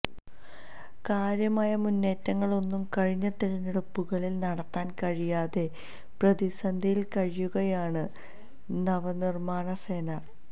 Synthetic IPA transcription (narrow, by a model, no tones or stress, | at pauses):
kaːɾjɐmaːjɐmunːe̞ːtːɐŋːɐɭo̞nːumkɐɻiɲːɐt̪iɾɐneɽupːuɣɐɭilnɐɽɐt̪ːaːnkɐɻijaːðe̞ | prɐðisɐnd̪ʱijilkɐɻijuɣɐjaːɳɨ | nɐʋɐnirmaːɳɐse̞ːnɐ